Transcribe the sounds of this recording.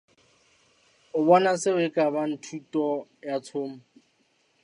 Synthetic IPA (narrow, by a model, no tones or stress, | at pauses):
ʊbɔnasɪʊɪkʼaban̩tʰutʼɔjat͡sʰʊːm̩